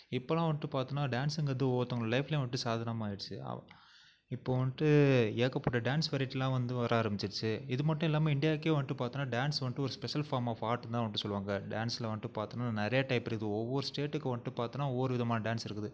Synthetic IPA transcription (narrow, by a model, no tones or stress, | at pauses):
ɪpːoːlãːʋɐɳʈːɯpaːɾt̪ɯnːaːɖaːnsɪŋɡɐnd̪ɯoːt̪ːɐŋɡɐɭɐlɐɪflɐj̃ʋɐɳʈːɯsaːðɐnɐmaːjɪɽt͡ʃːɯ̰ | ɪpːoːʋɐnʈːɯeːkːɐpːoːɽɐɖaːnsʋɐɾɪʈːɪlːãːʋɐnd̪ɯʋɐɾʔaːɐɾɐmbɪt͡ʃːɪɽt͡ʃːɯɪðɯmɐʈːɔ̃ɪlːaːmeɪɳɖɪjaːkːeːʋɐɳʈːɯpaːɾt̪ɯnːaːɖaːnsʋɐɳʈːɯɔɾɯspɛʂɐlfaːɾmaːfaːɾʈ̪ːãːʋɐɳʈːɯsɔlːɯʋaːŋɡɐɖaːnsɪlɐʋɐɳʈːɯpaːɾt̪ɯnːaːnɐɾɐjɐʈɐɪpːɪɾɪðɯɔʋːɔɾɯsʈeːʈːɯkːʋɐɳʈːɯpaːɾt̪ɯnːaːɔʋːɔɾɯʋɪðɐmaːnɐɖaːnsɪɾɯkːɯðɯ